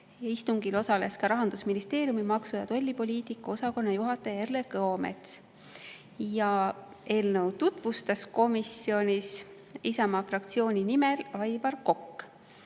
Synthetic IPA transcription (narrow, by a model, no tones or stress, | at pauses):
jɑist̪uŋɡ̥ilo̞sɑle̞skɑɾɑɦɑnd̪usminist̪e̞ːɾjumimɑksujɑt̪o̞lʲːipo̞lʲiːt̪ikːˑɑo̞sɑko̞nːɑjuɦɑt̪ːˑe̞erlekɤome̞̰t̪s | jɑ | ʔe̞ːlnə̞wt̪ut̪vust̪ɑsko̞misjo̞nʲis | isɑmɑfrɑkt̪sio̞ːnʲinimelɑjbɑrko̞kː